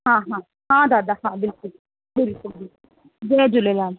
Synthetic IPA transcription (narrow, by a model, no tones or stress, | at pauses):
ɦãːɦãː | ɦãd̪aːd̪aɦãːbɪlkʊl | bɪlkʊlbɪlkʊl | d͡ʒed͡ʒʊlelaːl